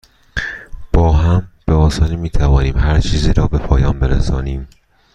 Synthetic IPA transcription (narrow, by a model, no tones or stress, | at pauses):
b̥ɒːɦæmb̥eɒːsɒːnimiːt̪ʰævɒːniːmɦæɾt͡ʃʰiːziːɾɒːbe̞pʰɒːjɒːnbe̞ɾæ̰sɒːniːm